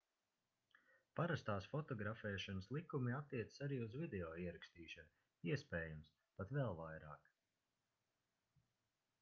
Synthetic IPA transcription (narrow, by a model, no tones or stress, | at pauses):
paɾast̪aːsfɔt̪ɔɡɾafɛːʃanəslˠikumiat̪ːiɛt̪sə̥saɾiːuzvid̪eɔːiɛɾakst̪iːʃan | iɛspeːjums | pat̪vɛlˠvajɾaːk